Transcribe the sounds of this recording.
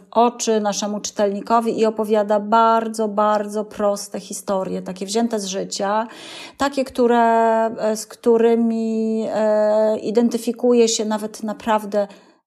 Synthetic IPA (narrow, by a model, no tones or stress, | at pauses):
ʔɔt͡ʂɘnaʂɛmut͡ʂɘ̥t̪ɛlɲikɔvʲiʔiɔpɔvʲjad̪abaɾd̪zɔbaɾd̪zɔpɾɔst̪ɛxʲist̪ɔɾʲjɛt̪akʲɛvʑɛnt̪ɛzʐɘt͡ɕa | t̪akʲɛkt̪uɾɛ | skt̪uɾɘmʲi | ḭd̪ɛnt̪ɘfʲikujɛɕɛnavɛt̪napɾavd̪ɛ